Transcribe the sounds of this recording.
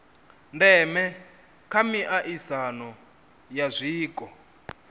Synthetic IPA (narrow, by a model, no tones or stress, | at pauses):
ndɛmɛ | kʰamiʔaʔisanɔ | jazʷiːkɔ